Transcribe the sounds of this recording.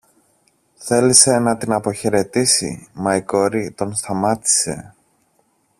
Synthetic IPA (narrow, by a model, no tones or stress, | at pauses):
θe̞lise̞nɐt̪inɐpo̞çe̞ɾe̞t̪isḭmɐiko̞ɾit̪o̞nst̪ɐmɐt̪i̥se̞